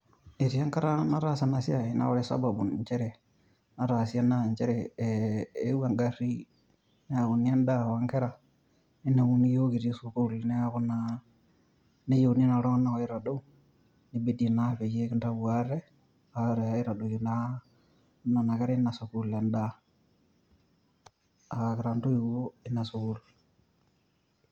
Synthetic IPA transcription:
e˨ɾi˨a˦ŋka˦ɾa˦na˦ɾa˦sa˨na˨si˦a˨i˨na̰˦wɔ˦ɾe˦sa̰˦ba˨bu˨n˨ɲt͡ʃɛ˦ɾɛ˨ | na˦ɾa˨si˦a˦na˦˨ɲt͡ʃe˦ɾɛ˨ | e˦wa˨ŋɡa˦ɾi˦ | ne˦a˨ku˨ni˦a˦nda˦˨wa˦ŋkɛ˦ɾa˨ | i˦na˨mu˦ni˦jo˦ki˨ɾi˦su˨ku˦lnɛ˦a˦ku˦na˦ | ne˦jo˨ni˦na˨ɾo˦na˨o˨ɪ˦ɾa˨ɗo˦ | ni˦be˦di˨na˦fe˨je˦kɪ˦nta˦bu˨a˦ɾɛ˦ | a˨˦ɾe˨a˦i˦ɾa˨do˨ju˨˦na˦ | na˨na˨kɛ˦ɾɛ˦na˨su˨ku˦le˨nda˦ | a˨kɪ˨ɾa˨ndo˦i˨wo˦ɪ˦na˨su˨ku˦l

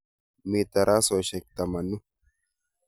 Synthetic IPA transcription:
miː˨t̪ːɐ˨ɾʔaː˦sɔ˨ʃɛ˨k̚t̪ːɐ˨mɐ˨nːu˦

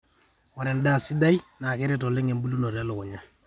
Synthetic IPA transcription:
ɔ˨ɾɛ˨n˦da˦˨si˦da˦jna˨ke˦ɾe˦tɔ˨lɪ˦ŋe˨mbu˦lu˦no˨ɾɛ˦lʊ˨ʊ˨ɲa˦

